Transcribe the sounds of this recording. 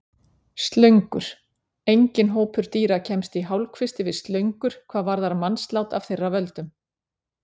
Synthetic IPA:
st̪lœɥŋkʏɾ̥ | ejɲcɪnɦoːwpʏɾ̥t̪iːɾacʰɛmst̪iɦawlkʰvɪst̪ɪvɪðst̪lœɥŋkʏɾ̥kʰv̥aːðvaɾðaɾmanst̪lawt̪av̥θejrːavœlt̪ʏm

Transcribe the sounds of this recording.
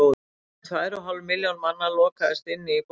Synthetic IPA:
ɔ | θaɛɾɔɦawlvmɪljawnmanːalɔːkaðɛst̪ɪnːɪp

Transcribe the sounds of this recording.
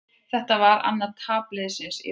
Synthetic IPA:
θɛht̪avaɾa̰nːaɾt̪ʰaːplɪðɪsɪnsḭ

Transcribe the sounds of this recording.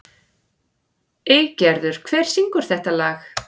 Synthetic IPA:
eɣcɛɾðʏɾ̥kʰv̥ɛːɾ̥siŋkʏɾ̥θɛht̪alaːx

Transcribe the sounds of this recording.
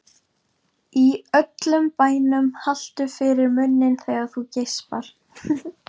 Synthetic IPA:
iœt̪lʏmpaːjnʏmhal̥t̪ʏfɪɾɪɾmʏnːɪnθɛɣaθucejspaɾ̥

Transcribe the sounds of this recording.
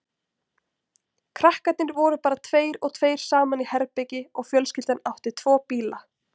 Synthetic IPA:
kʰɾahkat̪nɪɾvɔːɾʏpaːɾat̪ʰveːjɾɔɣt̪ʰveːjɾ̥saːmanihɛɾpɛcɪɔɣfjœlscɪlt̪anawht̪ɪt̪ʰv̥ɔːpiːla

